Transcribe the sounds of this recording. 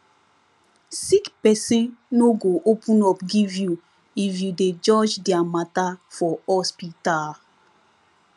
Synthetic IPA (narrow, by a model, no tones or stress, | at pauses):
sikpɛsẽnoɡoʔopũnɔpɡivju | ifjuded͡ʒɔd͡ʒdiamatafɔɔspital